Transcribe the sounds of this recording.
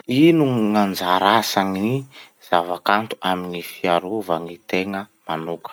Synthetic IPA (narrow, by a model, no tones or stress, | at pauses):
inuŋand͡zaɾasaŋi | z̥avakant̪u̥aminifiaɾuvaŋit̪eŋəmanukə̥